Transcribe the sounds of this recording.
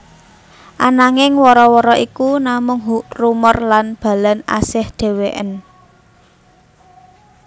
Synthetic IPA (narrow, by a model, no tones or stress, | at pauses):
ʔanaŋɪŋwɔɾɔwɔɾɔʔikunamʊŋɦuʔrumərlanb̥a̤lana̰sɪhd̥e̤weʔə̰n